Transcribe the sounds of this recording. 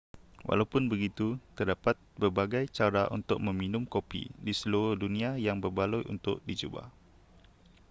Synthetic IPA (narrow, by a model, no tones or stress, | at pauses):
wa̰lawpʊnbəɡit̪ut̪ərdapat̪̚bərbaɡajt͡ʃaɾaʔṵnt̪ʊk̚mə̃mĩnʊ̃mkopḭdisəloɾʊhdunĩajaŋbərbalujʔṵnt̪ʊ̰ʔ̚did͡ʒuba̰h